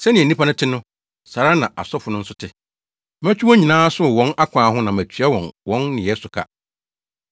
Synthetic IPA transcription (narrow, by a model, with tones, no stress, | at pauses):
sɛ˦nɪ̃˨ɛ˨nĩ˦pʰa˦nʊ̃˦tʰɪ˦nʊ̃˦ | sa˨ɾa˦nã˨ʔa̰˨sɔ˦fʊ˨nʊ̃˦n̩˦sʊ˦tʰɪ˦ | mæ̃˦t͡ɕʰᶣi˦wɔ̃˦ɲĩ˨nãː˦sʊ˦˨wɔ̃˦na˦kʷʰãː˨˦ɦʊ̃˦nã˨mæ˨t͡ɕʰɥa˦wɔ̃˨nwɔ̃˦nːɪ̃˨ɛ˦sʊ˨kʰa̰˦